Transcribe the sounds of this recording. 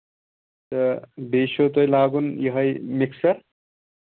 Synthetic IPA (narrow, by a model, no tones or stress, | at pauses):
t̪ʌbesot̪ojlaːɡunjʌɦʌjmiksʌɾ